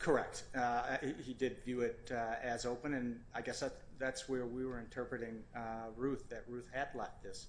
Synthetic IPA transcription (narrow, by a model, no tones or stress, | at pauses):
kʰə˞ɛk̚t̚ | hidɪdvjʉɪɾɨzoʊpɨ̃nɨ̃naɪɡɛsðæt | ðætswə˞wiwə˞ɨ̃ntʰɜ˞pɹɨɾɪ̃ŋɹʉθðɨt̚ɹʉθhɨdˡlɛft̪̚ðɪs